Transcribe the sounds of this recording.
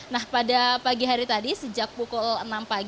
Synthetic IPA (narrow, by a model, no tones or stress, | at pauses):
nahpadapaɡiɦaɾit̪adisəd͡ʒak̚pukɔlənampaɡ